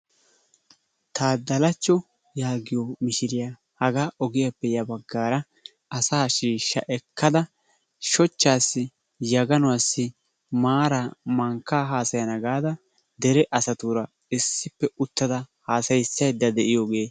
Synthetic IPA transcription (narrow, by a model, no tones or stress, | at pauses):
t̪aːd̪ɐlɐt͡ʃːɔ | jaːɡɪjɔmɪʃɪɾɪjaː | hɐɡaːʔɔɡɪjapːɛjɐbɐɡːaːɾɐ | ɐsaːʃiːʃːɐ̰ʔɛkʰːɐd̪ɐ | ʃɔt͡ʃːaːsːɪ | jɐɡɐnɔwasːɪ | maːɾamɐŋkːaːɦaːsɐjɐnɐɡaːd̪ɐ | d̪ɛɾɛʔɐsɐt̪uɾɐ | ɪsːɪpːɛʊt̪ːɐd̪ɐhaːsɐjsːɐjd̪ːɐd̪ɛʔɪjoɡeː